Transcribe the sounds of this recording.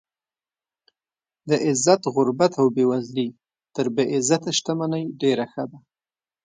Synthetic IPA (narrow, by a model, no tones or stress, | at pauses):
d̪əʔɪzːat̪ɣʊɾbat̪awbewazli | t̪əɾbeʔɪzat̪aʃt̪amanajɖeɾaxəd̪a